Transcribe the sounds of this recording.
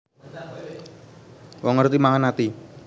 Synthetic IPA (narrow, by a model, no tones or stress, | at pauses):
wɔŋərt̪imaŋanat̪i